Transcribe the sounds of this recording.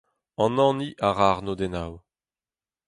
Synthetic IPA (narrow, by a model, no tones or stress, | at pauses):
ɑ̃nɑ̃ːniʔaʁaʁnod̪ɛnaw